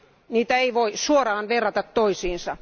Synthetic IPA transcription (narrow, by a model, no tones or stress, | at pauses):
niːt̪æeiʋoisuorɑːnʋerːɑt̪ɑt̪toisiːnsɑ